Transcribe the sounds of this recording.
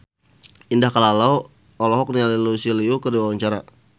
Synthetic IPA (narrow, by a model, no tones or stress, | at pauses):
indahkalalau | ɔlɔɦɔk̚nialilusiliukərdiwawaɲt͡ʃaɾa̰